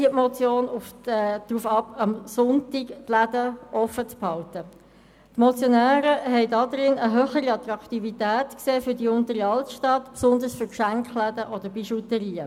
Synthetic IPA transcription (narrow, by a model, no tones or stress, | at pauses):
iətmɔt͡sjoːnufɛd̥ruːfɑpɑmsʊntiktlædəʔɔfət͡sphɑltə | tmɔt͡sjɔnæːɾəɦɛɪdɑd̪ɾɪnəɦøːχəɾiɑt̪ɾɑkχtivitæːtkseːfʏdiʊntəɾiɑltʃtɑt̪psʊnd̪əsfʏkʃæŋkχlædəʔɔd̥əɾbiʃutəɾiːə